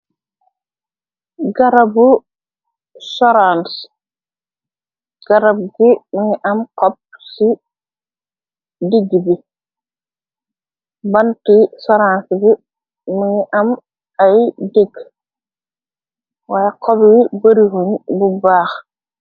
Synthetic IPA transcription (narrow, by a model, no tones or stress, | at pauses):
ɡaɾabu | soɾans | ɡ̥aɾab̚ɡimiŋiʔamkop̚si | diɡibi | bantisoɾansbi | miŋiʔam | ajdiɡ | wajaqʰobwibɐɾiɦuɲbubaːx